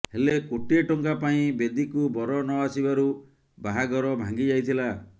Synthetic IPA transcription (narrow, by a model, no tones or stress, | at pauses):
helekoʈieʈɔŋkapaĩbed̪ikubɔɾɔnɔasibaɾu | baɦaɡɔɾɔbʱaŋɡid͡ʒajt̪ʰila